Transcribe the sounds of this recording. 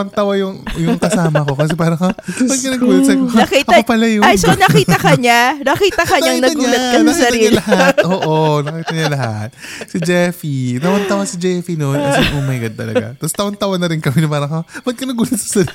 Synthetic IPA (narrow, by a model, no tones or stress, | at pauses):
ɐŋt̪awɐjʊŋjʊŋkɐsaːmɐko̞kɐs̬ɛpaːɾɐkɐmɐɡ̚kɐnɐɡuːlɐt̪sɐkokitʔɐopɐlɐjʊajsonɐkiːt̪ɐkɐɲanɐkiːt̪ɐkɐɲaŋnɐɡuːlɐt̪̚kɐsnkiɐɾɐiːlɐhat̪̚ʔoːʔonɐkkiːt̪ɐɲɐlɐɦa̰t̪̚sɪd͡ʒɛfit̪ɐwɐnt̪ɐwɐsɪd͡ʒɛfinonkɐsɛŋʔomɐjɡɐd̪̚t̪ɐlɐ̰ɡa̰t̪ɐst̪ɐwɐnt̪ɐwɐnːɐɾɪnkɐminpaːɾɐŋkɐmɐɡ̪̚kɐnɐɡuːlɐt̪sɐ̥sɐɾi